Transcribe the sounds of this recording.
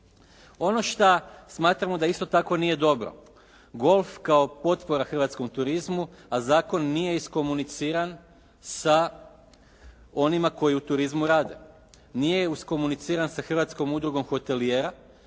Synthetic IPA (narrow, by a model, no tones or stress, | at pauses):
o̞no̞ʃt̪asmaːt̪ɾamo̞d̪aist̪ot̪ako̞nije̞d̪o̞bɾo̰ | ɡo̞lˠfkaopo̞t̪po̞ɾaxr̩ʋat̪sko̞mt̪uɾizmu | azaːko̞nːije̞isko̞munit̪siːɾan | sa | o̞nimako̞jiut̪uɾizmuɾaːd̪e̞̰ | nije̞usko̞munit̪siːɾansaxr̩ʋat̪sko̞mud̪ɾuɡomxo̞t̪e̞lijeːɾa